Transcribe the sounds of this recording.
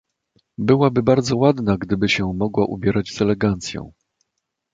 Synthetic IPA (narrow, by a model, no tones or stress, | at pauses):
bɘwabɘbaɾd̪zɔwad̪naɡd̪ɘbɘɕɛmɔɡwaʔṵbʲjɛɾad͡ʑzɛlɛɡant̪sʲjɔ̰̃w̃